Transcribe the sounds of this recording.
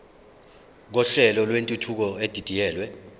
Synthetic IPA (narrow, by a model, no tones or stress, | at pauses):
k̬ɔɬɛlɔlwentʼutʰuk̬ɔed̥ʱid̥ʱijɛːlwɛ